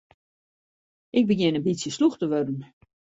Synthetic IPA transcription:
ʔɪɡ̚bəɡjɪnəbisjəsluxtəʋødən̩

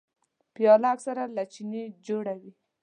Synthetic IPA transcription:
pjɑlaksaɾalat͡ʃined͡ʒoɽawi

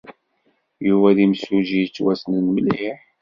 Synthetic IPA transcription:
juvæðimsuʒijt͡sːwæsnnmliħ

